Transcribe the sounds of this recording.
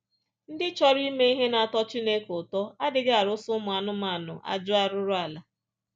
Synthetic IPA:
n̩˦dɪ˦t͡ʃɔ˦ɾi˦me˦i˦ɦe˦na˨a˨tɔ˦t͡ʃi˦ne˦kʊ˨tɔ˦a˦dɪ˨ɡa˨ɾʊ˦sʊ˦mʊ˨a˨nʊ˦ma˦˨nʊ̰˨ʔa̰˦d͡ʒʊ˦a˦ɾʊ˦ɾʊ˦a˨la˨˦

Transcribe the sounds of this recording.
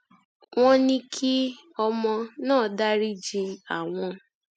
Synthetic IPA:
w̃ɔ̃˦nĩ˦kʰi˦ | ɔ˧mɔ̃˧nãː˦˨da˦ɾi˦d͡ʒi˧a˨w̃ɔ̃˧

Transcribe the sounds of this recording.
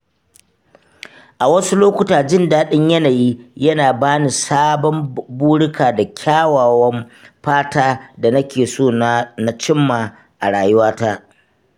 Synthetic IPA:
ʔa˨wɐ˦su˦loː˦kʷʊ˦taː˨d͡ʒɪ˦ndaː˦ɗɪ˦ɲjɐ˦naː˨jiː˦jɐ˦naː˨baː˦ni˨saː˦bɔ˦mbuː˦ɽʊ˦kʰaː˨da˨kʲʰaː˦waː˨wɐ˦mɸaː˦taː˦da˨nɐ˦kʲeː˨soː˦n˦na˦t͡ʃɪ˦mːaː˨ | ʔa˨ɽaː˨jʊ˦waː˦taː˦

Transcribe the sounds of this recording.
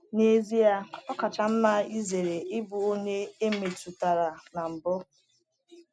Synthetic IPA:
ne˦zi˦ja˦ɔ˦ka˨t͡ʃa˨m̩˦ma˦i˦ze˨ɾe˨ʔɪ˦bʊ˨o˦ɲe˦e˦me˨tu˨ta˨ɾa˨na˨m̩˨bʊ˦

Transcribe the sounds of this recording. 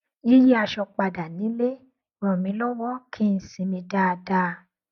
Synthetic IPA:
i˦ji˦a˧ʃɔ˧k͡pa˧da˨nĩ˨˦le˦ | mɔ̃˨mĩ˨˧˦lɔ˦wɔ˦kʰi˦n̩˨sĩ˨˧˦mĩ˧da˦˧da˧˦˧

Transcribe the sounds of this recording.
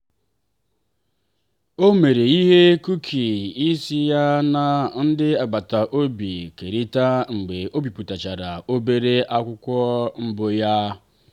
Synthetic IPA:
o˦me˨ɾe˨i˦ɦe˦ku˦kʰi˨i˦si˦ja˦na˨n̩˦dɪ˦a˨ɡ͡ba˨ta˨ʔo˦bi˨ke˨ɾi˦ta˦ŋ͡m̩˨ɡ͡be˨o˦bi˨pu˨ta˨t͡ʃa˨ɾa˨o˦be˦ɾe˦ʔa˦kʷʊ˦kʷɔ˦ŋ͡m̩˦bo˦ja˦

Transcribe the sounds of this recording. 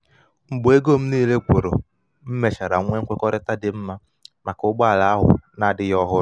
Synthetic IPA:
ŋ͡m̩˨ɡ͡bʊ˨e˦ɡo˦m̩˦niː˦˨le˦kʷo˨ɾo̰˨ | m̩˦me˨t͡ʃa˨ɾa̰˨ŋʷe˦ŋ̩˦kʷe˦kɔ˦ɾɪ˦ta˦dɪ˨m̩˦ma˦ | ma˨kʊ˦ɡ͡ba˦a˨la˨a˦ɦʊ̰˨na˨dɪ˦jɔ˦ɦʊ˦

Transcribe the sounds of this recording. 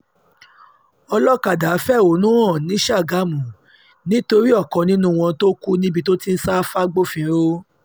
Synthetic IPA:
ɔ˧lɔ˦ka˨da˨˦fɛ˦˨o˨˦nũ˦ɔ̃˦˨nĩ˨˦ʃa˦˨ɡa˨˦mũ˨ | nĩ˦to˧ɾi˦ɔ˦˨kɔ̃˨nĩ˦nũ˦˧w̃ɔ̃˧to˦ku˦nĩ˦bi˧to˦ti˦˧n̩˦sa˦fa˦ɡ͡bo˦˨fĩ˧˦ɾo˦

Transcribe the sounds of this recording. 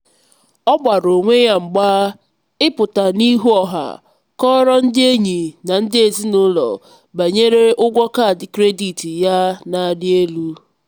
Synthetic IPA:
ɔ˦ɡ͡ba˨ɾo˨ŋʷe˦ja˦ŋ͡m̩˨ɡ͡baː˦ | ɪ˦pʊ˨ta˨ni˦ɦu˦ɔ˨ɦa̰˨ | kɔ˦ɾɔ˦n̩˦dɪ˦e˦ɲi˨na˨n̩˦dɪ˦e˨zi˦nʊ˦lɔ̰˨ | ba˨ɲe˦ɾe˦ʔʊ˦ɡʷɔ˦ka˦˨dɪ˨kɾe˦di˨ti˨ja˦na˨a˨dɪ˦e˦lu˦

